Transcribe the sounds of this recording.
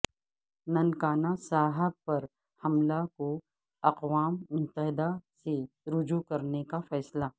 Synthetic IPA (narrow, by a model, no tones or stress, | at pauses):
nɐ̃nkaːnasaːɦəb̚pɐɾ | hɐmlako | ɐqʋaːmmʊt̪əɦɪd̪ase | ɾʊd͡ʒukɐɾnekafɛːsla